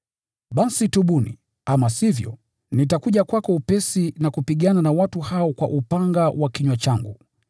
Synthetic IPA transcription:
ɓasituɓunḭ | amasivjɔ̰ | nitakuʄakwakɔupɛsinakupiɠananawatuhaɔkwa̰ʔupaŋɡawakiɲwat͡ʃaŋɡṵ

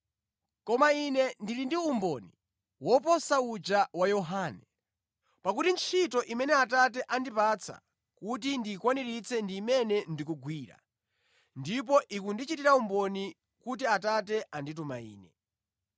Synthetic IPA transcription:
kɔmainɛndilindiumbɔni | wɔpɔsaud͡ʒawajɔɦaːnɛ | pakutint͡ʃʰitɔʔimɛnɛatat̬ɛʔandipat͡sʰa̰ | kut̬indikwaniɾit͡sʰɛndiːmɛnɛndikuɡwiːɾa̰ | ndip̬ɔʔikundit͡ʃitiɾaumbɔni | kut̬iatatɛʔandit̬uma̰ḭːnɛ

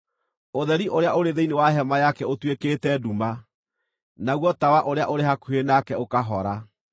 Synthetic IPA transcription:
oðɛɾiʔoɾeaʔoɾeðeinewaɦɛmajakɛotwekeːtɛduma | naɣwɔtawaʔoɾeaʔoɾeɦakuhenakɛokaɦɔɾa

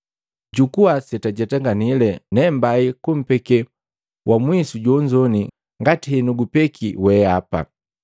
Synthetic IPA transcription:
ɟukuasɛtaɟɛtɛŋɡanilɛnɛmbaikum̩pɛkɛ | wʔamwisuɟɔɲd͡ʒɔni | ŋɡatihɛnuɡupɛkʰiwɛapa̰

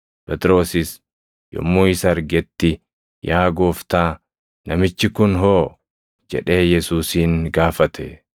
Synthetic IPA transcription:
pɛt̪ɪɾo̞ːsɪs | jɔ̰mːuːɪsɐːɾɡɛt̪ːɪ | jaːɡoːft̪aː | nɐmɪt͡ʃːɪkʊnɦoː | d͡ʒɛ̰ᶑe̞ːjɛsuːsiːŋɡaːfɐt̪ʰɛ̰

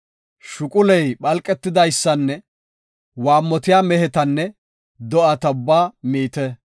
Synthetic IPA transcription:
ʃʊkʼʊlɛjɓɐlkʼːɛt̪ːɪd̪ɐjsːɐnːɛ | waːmːɔt̪ɪjaːmɛhɛt̪ɐnːɛ | d̪ɔʔɐt̪ɐʊbːaːmiːt̪ɛ

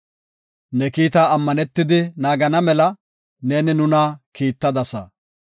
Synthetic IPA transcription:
nɛkiːt̪aːɐmːɐnɛt̪ːɪd̪ɪnaːɡɐnɐmɛlɐ | ne̞ːnɪnʊnɐkiːt̪ːɐd̪ɐsɐ̰

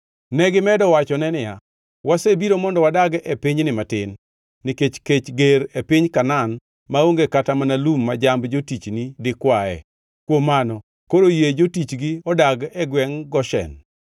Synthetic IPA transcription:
nɛɡɪmɛdɔwat͡ʃɔnɛnɪja̰ | wasebiɾomɔndɔwadaɡepɪɲnɪmatɪnː | ɪket͡ʃket͡ʃɡeɾepɪɲkanan | maoŋɡekatamanalumːad͡ʒambd͡ʒotit͡ʃnidɪkwaɛ̰ | kwomːanɔ | koɾojed͡ʒotit͡ʃɡɪɔdaɡɛɡwɛŋɡɔʃɛ̰n

